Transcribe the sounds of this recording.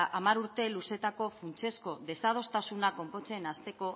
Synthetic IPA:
ʔamaɾuɾt̪e̞luse̞t̪ako̞funt͡se̞sko̞ðe̞sað̞o̞st̪asunako̞mpo̞t͡se̞nast̪e̞ko̞

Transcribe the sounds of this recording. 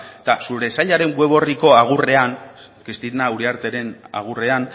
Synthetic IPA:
t̪asuɾe̞saʎaɾe̞ŋɡwe̞β̞o̞riko̞aɣ̞ure̞an | kɾist̪inauɾiaɾt̪eɾe̞na̰ɣ̞ure̞an

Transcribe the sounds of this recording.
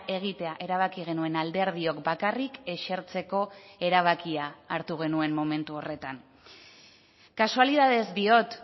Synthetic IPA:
ʔe̞ɣ̞it̪e̞aʔe̞ɾaβ̞akiɣ̞e̞nue̞nald̪eɾð̞io̞kbakarike̞ʃeɾt͡se̞ko̞e̞ɾaβ̞akiaːɾt̪uɣ̞e̞nue̞mmo̞me̞nt̪uo̞re̞t̪an | kasualið̞að̞e̞zd̪io̞t̪

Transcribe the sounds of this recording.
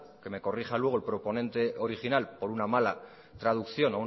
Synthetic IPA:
ke̞me̞ko̞riχalwe̞ɣ̞olpɾo̞po̞nẽ̞nt̪e̞ʔo̞ɾiχinalpo̞ɾunamala | t̪ɾað̞ukθjo̞nou

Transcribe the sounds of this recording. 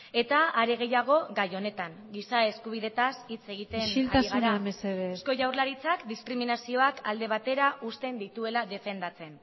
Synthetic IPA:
e̞t̪aːɾe̞ɣ̞e̞jaɣ̞o̞ɣajo̞ne̞t̪aŋ | ɡisae̞skuβ̞iðe̞t̪asit͡se̞ɣ̞it̪e̞nilat̪aiɣɣaɾɾnaemeseβesko̞ʝawɾlaɾit͡sakd̪iskɾiminasio̞akʰald̪e̞β̞at̪e̞ɾaʔust̪e̞nd̪it̪ue̞laðe̞fe̞nd̪at͡se̞n

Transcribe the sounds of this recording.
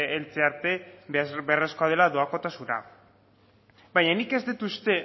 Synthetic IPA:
elt͡se̞aɾt̪e̞beresko̞að̞e̞laðo̞ako̞t̪asuna̰ | baɲanike̞zd̪it̪ust̪e̞

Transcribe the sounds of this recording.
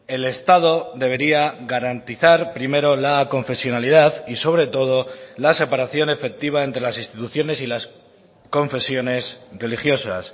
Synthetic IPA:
e̞le̞st̪að̞o̞d̪ðe̞β̞e̞ɾiaɣaɾant̪iθaɾpɾime̞ɾo̞lako̞ɱfe̞sjonaliðaðiso̞β̞ɾe̞t̪o̞ð̞o̞lase̞paɾaθjo̞ne̞fe̞k̚t̪iβ̞ae̞nt̪ɾe̞lasinst̪it̪uθjo̞ne̞silas | ko̞ɱfe̞sjo̞ne̞sre̞lixjo̞sa̰s

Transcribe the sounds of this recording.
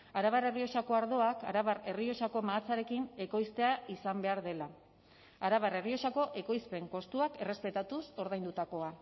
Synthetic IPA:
aɾaβare̞rio̞ʃako̞aɾðo̞akaɾaβare̞rio̞ʃako̞maːt͡saɾe̞kine̞ko̞jst̪e̞aisambe̞aɾðe̞la | aɾaβare̞rio̞ʃako̞ʔe̞ko̞jspe̞ŋko̞st̪uake̞re̞spe̞t̪at̪uso̞ɾðajnd̪ut̪ako̞a

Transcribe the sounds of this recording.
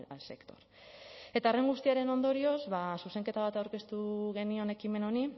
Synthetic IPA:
alse̞kt̪o̞̥ɾ | e̞t̪aere̞ŋɡust̪iaɾe̞no̞nd̪o̞ɾio̞zβasuse̞ŋke̞t̪aβ̞at̪awɾke̞st̪uɣe̞nio̞ne̞kime̞no̞ni

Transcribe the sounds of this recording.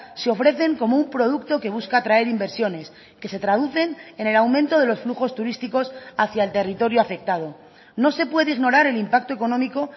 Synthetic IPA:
seo̞fɾe̞θe̞ŋko̞moumpɾo̞ð̞ukt̪o̞ke̞βuskat̪ɾae̞ɾimbe̞ɾsjo̞ne̞s | ke̞se̞t̪ɾað̞uθe̞nene̞lawmẽnt̪o̞ð̞e̞lo̞sfluxo̞st̪uɾist̪iko̞saθjaelt̪e̞rit̪o̞ɾjoafe̞k̚t̪að̞o̞ | no̞se̞pwe̞ðeiɣno̞ɾaɾe̞limpak̚t̪o̞e̞konõ̞miko̞

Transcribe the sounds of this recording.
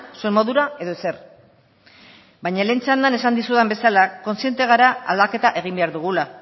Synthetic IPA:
sue̞mo̞ðuɾae̞ðo̞ese̞r | bajɲaleːnt͡sand̪ane̞sand̪isuðembe̞salako̞nsje̞nt̪e̞ɣ̞aɾaa̰ld̪ake̞t̪aʔe̞ɣ̞imbe̞aɾðuɣ̞ula

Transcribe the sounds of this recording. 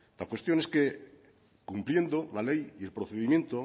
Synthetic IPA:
lakwe̞st̪jo̞ne̞ske | kumpljend̪olalejielpɾoθeðimje̞nt̪o

